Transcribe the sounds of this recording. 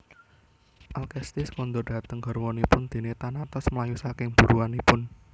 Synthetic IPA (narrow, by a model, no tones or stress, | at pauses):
ʔalkɛst̪ɪskɔnd̪ʊrɖ̥ä̤t̪əŋɡərwɔnipʊnd̪̥e̤net̪anat̪ɔsməlajusakɪŋb̥ṳɾuanipʊn